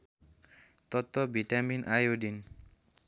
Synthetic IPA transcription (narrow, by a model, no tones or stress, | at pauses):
t̪ɔt̪ːɔbʱiʈaminʔajodin